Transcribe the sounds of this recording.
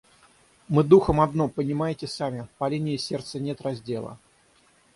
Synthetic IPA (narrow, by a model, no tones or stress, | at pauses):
mɨd̪uxəmɐd̪no̞pənʲɪmajɪtʲɪsamʲɪpɐlʲinʲɪɪsʲe̞rt̪sənʲe̞t̪rɐzʲdʲe̞lˠə̰